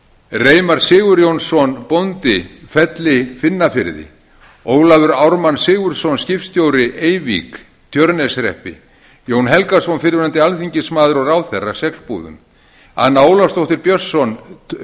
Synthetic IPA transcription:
reːjmaɾ̥sɪːɣʏɾjownsɔnpont̪ɪfɛt̪lɪfɪnːafɪɾðɪ̰ | oːwlavʏɾawɾmansɪːɣʏɾ̥sɔnscɪftst̪joːwɾɪʔejvḭk | t̪ʰjœɾnɛsɾɛ̰hpɪ̰ | joːwnɦɛlkasɔnfɪɾɪɾant̪ɪalθiɲcɪsmaːðʏɾɔɾawθɛrːḁsɛkspṵːðʏ̰m | a̰nːaːwlast̪owht̪ɪɾpjœ̥sɔn

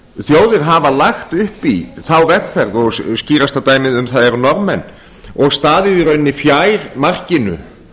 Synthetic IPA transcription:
θjoːwðɪɾɦavalaxt̪ʏhpiθawvɛkfɛɾðɔɣsciːɾast̪at̪aːjmɪðʏmθaðɛɾʏnɔɾmɛnː | ɔɣst̪aːðɪðiɾœɥnːifjajɾmar̥cɪnʏ̰

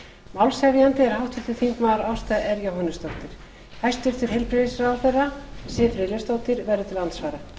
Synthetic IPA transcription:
mawlshɛvjant̪ɪɛɾ̥hawht̪vɪɾ̥t̪ɪ̥θiŋkmaːɾawst̪aʔɛɾjawɦanːʏst̪ɔwht̪ɪɾ̥ | hajst̪ɪɾ̥t̪ʰɪɾɦejlpɾɪðisɾawθɛrːasɪːfɾɪlɛst̪oːwt̪ɪɾvɛrðʏt̪ʰɪlːant̪svaːɾa

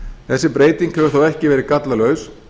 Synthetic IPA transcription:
θɛsːɪpɾeːjt̪iŋkhɛvʏ̥ɾ̥θowɛhcɪvɛːɾɪkat̪lalœɥs

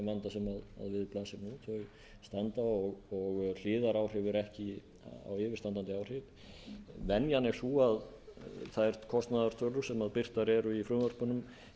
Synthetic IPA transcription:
mvant̪asɛmaða̰ðvɪðplaːsɪnut̪ʰœj | st̪ant̪aɔɣɔɣl̥ɪːðaɾaːwr̥ɪvɪɾɛhcɪ | a̰wɪːvɪɾ̥t̪ant̪ant̪ɪaːwr̥ɪv | vɛnjanɛɾ̥suað | θaðɛɾ̥t̪kʰɔst̪naðaɾ̥t̪ʰœlʏ̥sɛmaðpɪr̥t̪aɾɛɾʏifɾʏmvœɾ̥pʏnʏm

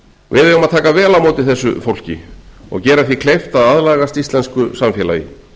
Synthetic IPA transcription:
vɪðɛjʏmaðt̪ʰaːkavɛːlamoːwt̪ɪθɛsːʏ̰fowl̥cɪ̰ɔ̰ɣcɛːɾaθvikʰlejft̪aðaðlaːɣast̪ist̪lɛnskʏsamfjɛla̰ːjɪ̰

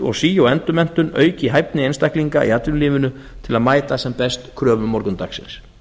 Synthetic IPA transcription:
ɔ̰ɣsiːjawɛnt̪ʏmɛn̥t̪ʏnœ̰ːɥcɪɦajp̚nɪejnst̪ahkliŋka̰ḭat̪lʏɪnliːvʏnʏ | t̪ʰɪlaðmaːjt̪asɛmpɛst̪kʰɾœːvʏmɔɾkʏnt̪aksɪ̰ns

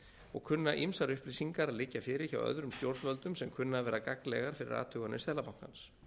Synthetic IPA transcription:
ɔ̰ɣkʰʏnːaʔimsaɾʏhplɪsiŋkaɾaðlɪcːafɪɾɪ̥ça̰wœ̰ðɾʏmst̪jowɾ̥t̪vœlt̪ʏmsɛmkʰʏnːaːvɛːɾakaklɛ̰ɣaɾ̥fɪɾɪ̰ɾa̰ːt̪ʰʏɣanːʏ̰sɛːlapawŋ̥kans

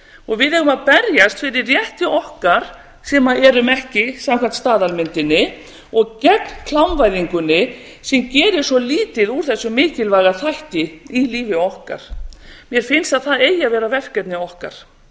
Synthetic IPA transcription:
ɔɣvɪðɛhɣʏmaðpɛɾjast̪fɪɾɪɾːjɛht̪ɪʔɔhkaɾ̥ | sɛːmaɛɾʏmɛhcɪsamkʰant̪st̪aːðalmɪnt̪ɪnːɪ | ɔɣcɛknkʰlawnvajðiŋkʏnːɪ | sɛmcɛːɾɪɾ̥sɔliːt̪ɪðuɾ̥θɛsːʏmɪːcɪlvajɣaθajht̪ɪiliːvɪɔhka̰ɾ̥mjɛɾ̥fɪnsaðθaðeːjːavɛːɾavɛr̥cɛt̪nɪɔhkaɾ̥

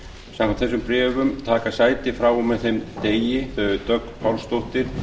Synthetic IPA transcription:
sãmkʰant̪θɛsʏmpɾɛːvʏmt̪ʰaːkasaːjt̪ɪfɾawɔmːɛðθejmt̪eːjɪθœʏt̪œk̪pʰawlst̪oht̪ɪɾ̥

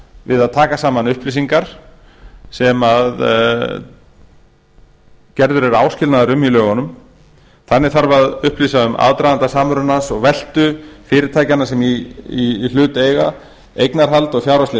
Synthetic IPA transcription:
vɪðaðt̪ʰaːkasaːmanʏhpliːs̬iŋkaɾ̥ | sɛmað | cɛɾðʏɾɛɾaːwscɪlnaðʏɾʏmilœːɣanʏm | θanːɪθaɾvaðʏhpliːsaʏma̰ðt̪ɾajðant̪asaːmɾʏnansɔɣvɛl̥t̪ʏfɪːɾɪɾt̪ʰaːjcanːasɛmiil̥ʏːt̪eːjɣa | ejknaɾ̥ɦalt̪ɔɣfjawɾast̪ɪ

